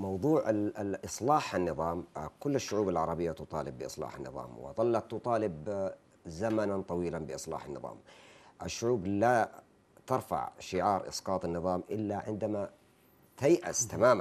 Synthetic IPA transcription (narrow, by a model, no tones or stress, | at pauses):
mɑwðˤuːʕaʔɨsˤlɑːħanːɨðˤɑːmkʊlːaʃːʊʕuːbalʕɑɾˤɑbɪjːat̪ʊt̪ˤɑ̰ːlɪbːɪʔɨ̰sˤlɑ̰ːħanːɨ̰ðˤɑ̰ːmwɪ̰ðˤɑlːɑt̪ːʊt̪ˤɑːlɪb | zamanant̪ˤɑwiːlanbɪʔɨsˤlɑ̰ːħanːɨ̰ðˤɑ̰ːmʔaʃːʊʕuːbla | t̪ɑɾˤfa̰ʕʃɪʕɑːɾˤʔɪ̰sqɑːt̪ˤɑnːɨðˤɑːmʔɪlːaʕɪnd̪ama | t̪ajʔa̰st̪amaːma